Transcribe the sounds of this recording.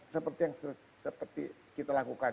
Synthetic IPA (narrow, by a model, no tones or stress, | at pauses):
səpərt̪ijaŋsə | səpərt̪ḭ | kit̪alakuka